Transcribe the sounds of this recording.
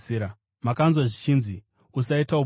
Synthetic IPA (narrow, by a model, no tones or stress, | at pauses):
ɾa | makanzwaʐit͡ʃiːnzi | usaitau